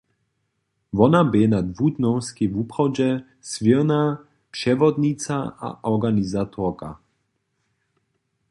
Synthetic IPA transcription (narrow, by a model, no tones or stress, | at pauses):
vɔnabɛnad̪vud̪nɔwskivupχɔd͡ʑɛ | svina | pʃɛvɔd̪nitt͡saa̰ʔɔɡanizat̪ʰɔka̰